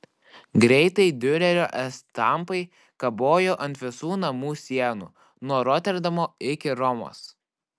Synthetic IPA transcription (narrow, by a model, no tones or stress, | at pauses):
ɡɾʲɛɪt̪ɐɪd̪ʲʊɾʲɛɾʲoːʔɛst̪ɐmˑpɐɪ | kɐboːjoːʔɐnʲt̪ʲʋʲɪsuːnɐmuːsʲiɛnṵː | nuɔɾɔt̪ʲɛɾd̪ɐmoːɪkʲɪɾɔmo̰ːs